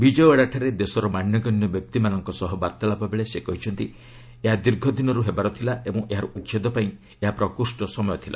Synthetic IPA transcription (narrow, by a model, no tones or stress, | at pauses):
bid͡ʒɔjɔaɽaʈʰaɾed̪esɔɾɔmanjɔɡɔnjɔbjɔp̚t̪imanɔŋkɔsɔɦɔbaɾt̪alapabeɭesekɔɦit͡ʃʰɔnt̪i | eɦad̪iɾɡʱɔd̪ʱinɔɾuɦebaɾɔt̪ʰilaebɔŋʔeɦaɾuut̪ːt͡ʃed̪ɔpaĩ | eɦapɾɔkuɾsʈɔsɔmɔjɔt̪ʰilʔa̰